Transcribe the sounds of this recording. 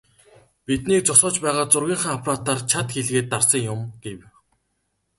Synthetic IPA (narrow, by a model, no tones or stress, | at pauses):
pit̪niːk̚t͡sʊsʊːt͡ɕpæːʁaːt͡sʊrɣʲiːɴχaːŋapʰraːt̪art͡ɕʰat̪xeɮɣeːt̪ːarsə̆ŋjʊmɡ̥ew